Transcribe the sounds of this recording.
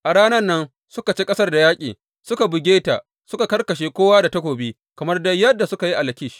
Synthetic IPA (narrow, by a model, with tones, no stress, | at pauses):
ʔa˨ɽaː˦nɐ˦nːɐ˦n | sʊ˦ka˨t͡ʃeː˦kʼɐ˦sɐ˦rda˨jaː˦kʲʼḭː˨ | sʊ˦ka˨bʊ˨ɡʲeː˦ta̰˨ʔ | sʊ˦ka˨kɐ˦rkɐ˨ʃ̬eː˨kʷoː˦waː˦da˨tɐ˦kʷoː˨biː˦ | kɐ˨mɐ˦rdɐ˦jɐ˦dːa˨sʊ˦ka˨ji˦ʔa˨lɐ˨kʲɪ˦ʃ